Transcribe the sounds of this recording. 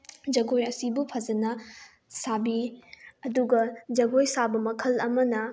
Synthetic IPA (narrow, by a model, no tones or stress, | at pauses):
d͡ʒɐɡojɐsibupʰɐd͡ʒɐnɐ | sabiɐduɡɐd͡ʒɐɡojsabɐmɐkʰɐlɐmɐnɐ